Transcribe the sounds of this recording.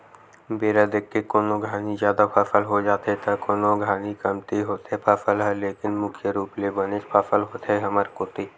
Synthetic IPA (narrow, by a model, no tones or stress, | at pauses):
beːɾad̪ekːekoːnoɡʱaːnizjaːd̪apʰɐfəlɦod͡ʒaːt̪et̪ʰekoːnõɡʱaːnikɐmt̪iɦoːt̪ɛpʰɐfəlɦɛleːkɪnmʊkʰjəɾuːplebɐnɪʃpʰafəlɦoːt̪eɦɐməɾkoːt̪iː